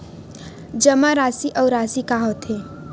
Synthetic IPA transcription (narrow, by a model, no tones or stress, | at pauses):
d͡ʒəmaɾaːsiʔəwɾaːsikaɦot̪ʰe